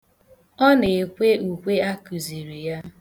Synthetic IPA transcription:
ɔ˦ne˨kʷe˦u˨kʷe˦a˦ku˨zi˨ɾi˨ja˦

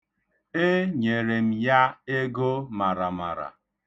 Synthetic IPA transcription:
e˦ɲe˨ɾe˨m̩˦ja˦e˦ɡo˦ma˨ɾa˨ma̰˨ɾa̰˨

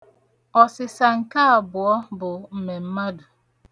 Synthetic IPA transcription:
ɔ˨sɪ˨sa˨ŋ̩˨ka˦a˨bʊ˨ɔ˦bʊ˨m̩˨me˨m̩˦ma˦dʊ˨

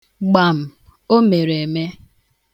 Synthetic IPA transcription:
ɡ͡ba˨m̩˨ | o˦me˨ɾe˨me˦

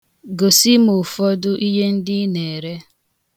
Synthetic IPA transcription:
ɡo˨si˦mʊ˨fɔ˦dʊ˦ʔi˦ɦe˦n̩˦dɪ˦ne˨ɾe˦

